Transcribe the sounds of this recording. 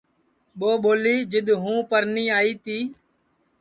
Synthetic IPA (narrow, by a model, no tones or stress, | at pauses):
ɓoːɓoːliːd͡ʒɪɗ̪ɦũːpəɾnĩːaːiːt̪iː